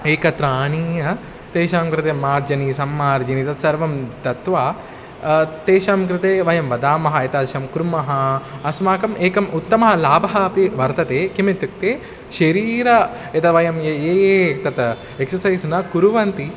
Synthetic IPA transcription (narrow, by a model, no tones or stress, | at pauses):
eːkɐt̪ɾaːniːjɐ | t̪eːʃaːmkɾɪt̪eːmaːɾd͡ʒɐnisɐmːaːɾd͡ʒɐnit̪ɐt̪sɐɾʋɐmt̪ɐt̪ʋaː | t̪eːʃaːmkɾɪt̪eːʋɐjɐmʋɐd̪aːmɐɦɐet̪ɐd̪ʃɐmkuɾmɐɦɐɐsmaːkɐmʔeːkɐmut̪ːɐmɐɦɐlaːbɐɦɐpiʋɐɾt̪ɐt̪eːkimet̪juk̚t̪eː | ʃɐɾiːɾɐ | ɐt̪ɐʋɐjɐmjeːt̪ɐt̪ | eksɐsɐjsnɐkuɾuʋɐnt̪i